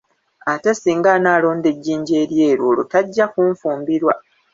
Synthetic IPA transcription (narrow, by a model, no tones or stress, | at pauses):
atesiːŋɡanaːlo̞ːnde̞ɟːiːɲɟe̞ːɾje̞ːɾwo̞ːlo̰taɟːakuɱfuːmbiɾwa